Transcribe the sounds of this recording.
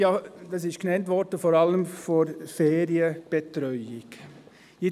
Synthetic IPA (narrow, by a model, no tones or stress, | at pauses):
jɑːd̥ɑsɪʃknɛntʋɔɾd̥əfoːɾɑləmfoɾfeːɾiəb̥etɾœʏɪk | jɪ